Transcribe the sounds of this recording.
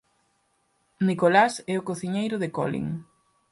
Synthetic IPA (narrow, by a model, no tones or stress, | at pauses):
nikolasɛokoθiɲejɾʊðeko̰lḭŋ